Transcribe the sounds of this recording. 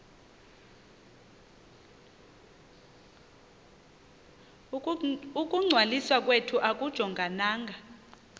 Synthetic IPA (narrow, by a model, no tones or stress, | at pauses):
ukʼuŋ͡ǀʱwaliswak̬ʼwetʰuʔak̬ʼud̥ʒ̥ʱɔŋɡʱanaːŋɡʱa